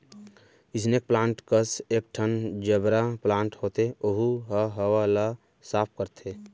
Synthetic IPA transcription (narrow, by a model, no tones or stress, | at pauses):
ɪsnek̚plãːɳʈkəsek̚ʈʰənd͡ʒəbɾaplãːɳʈhoːt̪eoɦuɦaɦəwala | saːpʰkəɾt̪ʰe